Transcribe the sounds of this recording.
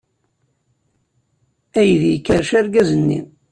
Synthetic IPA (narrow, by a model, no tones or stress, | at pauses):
æjðjkːəɾʃæɾɡæzənːḭm